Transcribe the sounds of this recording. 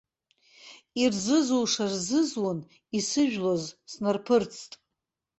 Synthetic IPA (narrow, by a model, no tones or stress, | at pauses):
irzɨzuwʂarzɨzwan | isɨʒᶣlozsnarpʰɨrt͡sʰtʼ